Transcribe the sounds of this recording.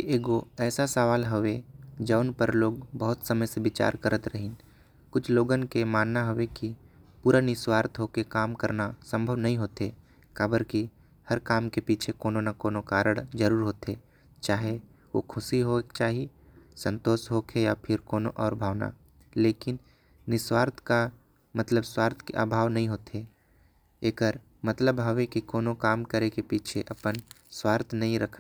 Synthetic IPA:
eʔeːɡoɛːsasəʋaːlɦəʋed͡ʒəʊnpəɾloːɡbəɦʊt̪səməjseʋɪt͡ʃa̰ːɾkəɾʔət̪ɾɐɦɪ̃n | kʊt͡ʃʰloːɡənkemaːnːaɦoʋekipuːɾanɪswaːɾt̪ʰɦoːkekaːmkəɾnasə̃mbʱəʋnɐɦĩɦoːt̪eː | kaːbəɾki | hɐɾkaːmkepiːt͡ʃʰekoːnonakoːnokaːɾəɽ̃d͡ʒɐɾuːɾɦoːt̪eː | t͡ʃaːɦe | ʋo̰kʰʊsiɦot͡ʃaːɦi | sə̃nt̪oːʃɦokʰejapʰɪɾkoːnoʔɔːɾbʱaːʋna̰ | leːkɪn | nɪswaːɾt̪ʰka | mət̪ləbswaːɾt̪ʰkḛʔa̰ːbʱaːʋnɐɦĩɦoːt̪e | eːkəɾ | mɐt̪ləbɦɐʋekikoːnokaːmkəɾekepiːt͡ʃʰeʔɐpənswaːɾt̪ʰnɐɦĩɾɐkʰna

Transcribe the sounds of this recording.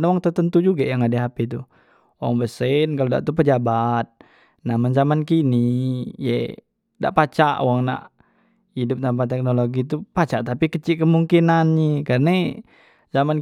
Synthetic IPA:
nwaŋt̪ərt̪ənt̪ud͡ʒuɡajaŋadɛɦapɛt̪̬u | oaŋbəsɛnkaloda̰ʔt̪upəd͡ʒabat̪̚ | namanzamankinije | da̰ʔpat͡ʃaʔo̰waŋna̰ʔ | idʊp̚t̪ampat̪ɛk̚noloɡit̪̬upat͡ʃaʔt̪apikət͡ʃikəmuŋkinanɲikarəna | zaman

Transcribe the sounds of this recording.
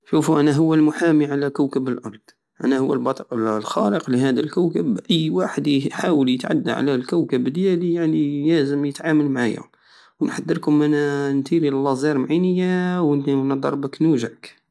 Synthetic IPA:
ʃufuʔænæɦʊwːəlmʊħamiʕalækəwkəbəlʔɑɾˤd̪̥ˤ | ʔæ̰næhʊwːəlbɑt̪ˤiqllxɑləqliɦæd̪əlkæwkəbʔəjːwaħəd̪ħawəljət̪ʕa̰d̪ːa̰ʕa̰lælkəwkəbd̪jælijaʕnijæzəmjət̪ʕaməlmaʕa̰jʊ̰m | wnħɑd̪ːəɾkʊmʔænænt̪iɾilːɑzˤɑɾˤmʕinəjːawnnɑd̪ˤɑ̰ɾˤbəknuʒəʕk

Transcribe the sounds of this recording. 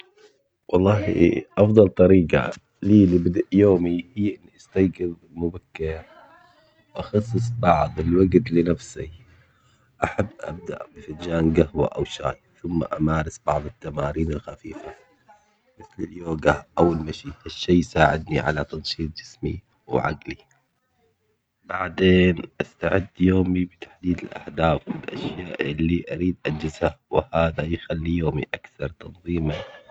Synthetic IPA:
wɑlˤːɑːɦḭʔɑfðˤɑlt̪ˤɑɾiːqa̰ | liːlibɪd̪aʔjoːmihiːʔɪnːiʔast̪ajɡɪð | mʊbakːɪɾa | wwʔɑxɑsˤːɨsˤbɑʕðˤɪlwaɡt̪lɪnafsḭ | ʔaħabːʔa̰b̚d̪a̰ʔbɪfad͡ʒaːnɡahwa̰ʔawʃa̰ːjθʊmːa̰ʔamaːɾˤɪsb̥ɑ̰ʕðˤɨt̪ːamaːɾiːnɪlxafiːfa | mɪθlɪljoːɡaʔawɪlmaʃiaʃːiːjsaːʕɪd̪niʕa̰lat̪ɑnʃiːt̪̚ˤd͡ʒɪsmi | wʕa̰ɡli | baʕd̪eːnʔast̪aʕɪd̪ːjoːmibɪt̪ḁħd̪iːd̪ɪlʔa̰ħd̪aːfwɪlʔa̰ʃjaːʔʔɪlːiʔaɾiːd̪ʔad͡ʒɪzhawɪhaːðajxalːijoːmiʔakθɑɾˤt̪ɑnðˤiːma

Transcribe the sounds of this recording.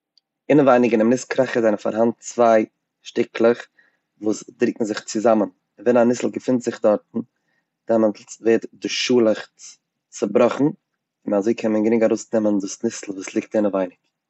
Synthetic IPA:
ɪnəvaɪnɪkɪnɪmnɪskʰɾaχəzaɪnfa̰ɾɦantt͡svaɪ | ʃtɪklˠəχ | vuːsdɾikŋ̩zɪχt͡sɪzamən | ɪnvɛnanɪsl̩ˠɡəfɪntz̥ɪχdɔɾtn̩ | dɛməntveːtdɪʃuːlˠəχ | t͡səbɾɔχn̩ | ɪnazoɪkʰɛnmənɡəɾɪŋkaɾoʊsnɛməndʊsnɪsl̩ˠvuːslˠɪːk̚tɪnəvaɪnɪk

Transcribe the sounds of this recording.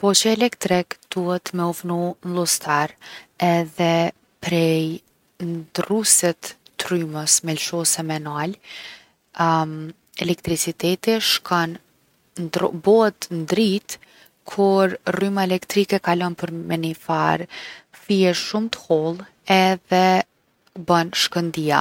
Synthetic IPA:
pɔt͡ʃɛɛlɛkt̪ɾɛkd̪̥uhɛt̪mɛufnunlˠust̪aɾɛðɛ | pɾɛj | nd̪rusɛt̪ːryməsmɛlʃɔsɛmɛnal | m | ɛlɛkt̪ɾit͡sit̪ɛt̪iʃkʰan | dbɔt̪nd̪ɾit̪ | kʰuɾrymaɛlɛkt̪ɾikɛkalɔnpəɾmɛnifaɾfiɛʃumt̪ə̥hɔlˠ | ɛðɛ | banʃkənd̪ia̰

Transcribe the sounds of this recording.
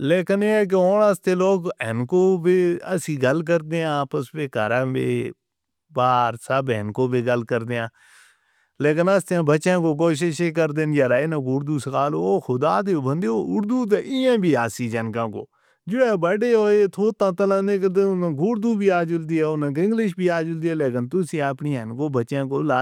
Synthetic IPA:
leːkɪnek̬eoːnəst̪eːloːɡɛnkoːbeːəsĩːɡəlk̬əɾd̪eːãːpəspeːkə̰ɾãːbḛː | baːɾsəbɛ̰nkoːbeːɡəlkəɾd̪eːãː | leːkɪnəst̪ãːbəːt͡ʃʃãːkoːk̬oːʃ̬ɪʃeːk̬əɾd̪eːnd͡ʒaɾaːenãːɡʊːɾd̪uːsəkaːloːoːxʰʊd̪aːd̪eːbə̃nd̪eːoʊɾd̪uːt̪̬eʔɪãːbʱiːaːsiːd͡ʒənkãːko̰ː | d͡ʒɪɽɛːbəɖeːɦoːeːt̪ʰoːt̪ːãːt̪əlãːnẽːk̬əd̪eːʊnãːɡʊɾd̪uːbiːaːd͡ʒʊld̪iːɛːʊnãːɡɪ̃ŋɡlɪʃ̬biːaːd͡ʒʊld̪iːɛːleːkɪnt̪ʊsĩːaːpniːənkoːbət͡ʃʃãːkoːlaː

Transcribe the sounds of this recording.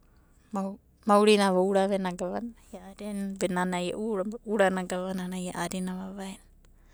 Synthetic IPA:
ma | mawɾinaβauɾaβenaɡaβanjaaɾenbenanaija̰ʔuɾauɾanaɡaβananajaʔaɾinaβaβaen

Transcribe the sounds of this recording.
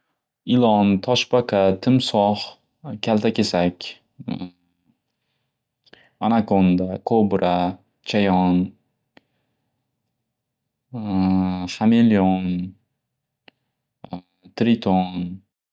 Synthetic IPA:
ɪlɒnt̪ʰɒʃbakʰat̪ʰɪmsɒh | kʲʰalˠt̪ʰakʲʰesakʲ | anakʰond̪akʰobɾʔa | t͡ʃʰajɒn | χameljon | t̪ɾɪt̪ʰon

